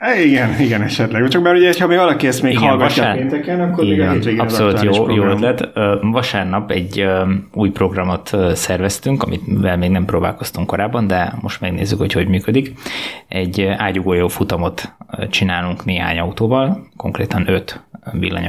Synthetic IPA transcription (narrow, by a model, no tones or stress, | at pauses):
iɡɛniɡɛnɛʃɛt̪lɛɡɛt͡ʃɒkmɛɾuɟɛhochɒmeːɡvɒlɒkiɛst̪meːikɡhɒlɡɒːeːnt̪ɛkɛnɒkːoɾiːeɒeɡɒpsolutt̪joːjoːølɛt̪ːvɒʃaːrnɒpɛɟːuːjpro̞ɡrɒmo̞t̪sɛrvɛst̪yŋkɒmʔḭvɛlmeːɡnɛmproːba̰ːlko̞st̪uŋkːo̞ɾaːbːɒnd̪ɛmo̞ʃt̪mɛɡnḛːzːykho̞cho̞ɟmyːkød̪ikɛɟːaːɟuɡoːjoːfut̪ɒmo̞t̪t͡ʃinaːluŋkneːɦa̰ːɲɒut̪oːvɒlko̞̰ŋkrḛːt̪ɒnø̞t̪vḭlːɒ̰ɲ̰